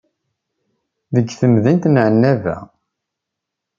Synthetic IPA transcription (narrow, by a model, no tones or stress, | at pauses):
ðəɡːθəmðənt̪nʕənːævæ̰